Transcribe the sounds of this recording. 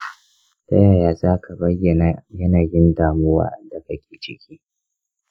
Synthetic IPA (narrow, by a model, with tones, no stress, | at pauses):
tɐ˦jaː˨jaː˦zaː˦kʰa˨bɐ˦jːɐ˨na˨jɐ˦naː˨jɪ˦ndaː˨mʊ˦wa̰ː˦da˨kɐ˦kʲeː˨t͡ʃɪ˦kʲiː˦